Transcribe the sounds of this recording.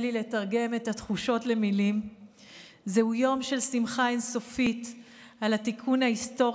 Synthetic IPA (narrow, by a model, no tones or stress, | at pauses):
lile̞taʁɡe̞me̞that̪χuʃo̞tle̞milim | zehujo̞mʃe̞lsimχaenso̞fit | alat̪ikʰunaisto̞